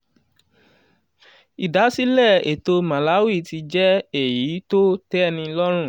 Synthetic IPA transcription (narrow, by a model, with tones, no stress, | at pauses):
i˨da˨˦si˦lɛ˦˨e˨to˧mã˨la˨˦wi˦˨ti˧d͡ʒɛ˦e˨ji˨˦to˦tɛ˦nĩ˧lɔ˦ɾ̃ũ˦˨